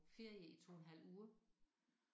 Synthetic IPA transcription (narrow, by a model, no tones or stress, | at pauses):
fe̝ɐ̰jəit͡sʰo̝̰ːnɦæl̰uːɐ